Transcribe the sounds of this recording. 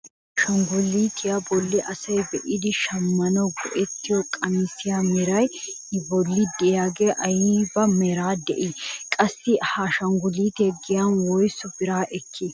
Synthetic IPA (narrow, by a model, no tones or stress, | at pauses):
ʃɐŋɡʊlːiːt̪ʰɪjabɔlːɪʔɐsɐjbɛʔɪd̪ɪʃɐmːɐnɔɡɔ̰ʔɛt̪ːɪjɔkʼɐmisɪjamɛɾɐj | ɪbɔlːid̪ɛjaɡeʔɐjibɐmɛɾaːd̪ɛ̰ʔikʼɐsːɪhaːʃɐŋɡʊliːt̪ɛɡɪjanwɔjsʊfɪɾaːʔɛkːɪ